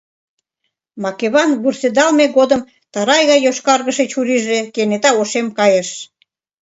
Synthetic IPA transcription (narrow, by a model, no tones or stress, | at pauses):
mɑkeβɑnɡursed̪ɑlmeɣod̪əm | t̪ɑɾɑjɣɑjoʃkɑrɣəʃet͡ɕuɾiʒekenet̪ɑoʃemkɑjeʃ